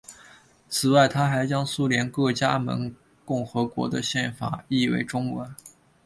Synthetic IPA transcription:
t͡sʰɹ̩˨˩wa˥˩ɪt̪ʰa˥xa˧˥ɪt͡ɕjɑ˥ŋsu˥ljɛ˧˥nkɤ˥˩t͡ɕja˥mə̰˧˥n | kʊ˥˩ŋxɤ˧˥kwɔ̰˧˥d̪ə˧ɕjɛ˥˩nfa̰˨˩i˥˧wḛ˧˥˩ɪʈ͡ʂʊ˥ŋwə̰˧˥n

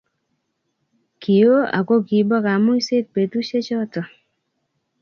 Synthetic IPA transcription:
ki˨o˦a̰˨ko˦ɡi˨˦bɔ˦ka˨mu˦i˦se˦t̚pe˨tu˦ʃe˦t͡ʃɔ˦tɔ˨

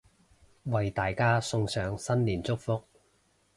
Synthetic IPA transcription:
wɐ˨jt̪aː˨jkaː˥sʊ˧ŋsœː˨˧ŋsɐ˥nliː˨˩nt͡sʊ˥k̚fʊ˧k̚

